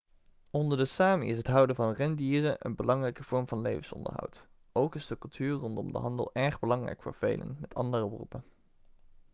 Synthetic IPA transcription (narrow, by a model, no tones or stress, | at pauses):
ɔndəɹdəsaːmḭɪsɦətɦʌwdəvɑnrɛndiːrəʔə̰nbəlɑŋrɛjkəv̥ɔɹmvɑnlejvənsɔ̰ndə̰ɹɦɑ̰wt | owkɪzdəkɵlˠtʰyːɹrɔndɔmdə̰ɦɑndə̰lˠʔɛɹχbəlɑŋrɛ̰jkfo̰ːɹv̥ḛjlʔə̰nmɛtʰɑ̰ndərəbrṵpən